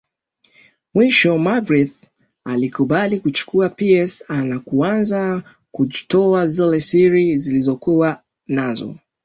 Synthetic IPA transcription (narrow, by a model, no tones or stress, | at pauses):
mwiʃɔmaɡɾiθ | alikuɓalikut͡ʃu̥kuapiɛsanakuanza | kud͡ʒitɔazilɛsiɾizilizɔkua | nazɔ̰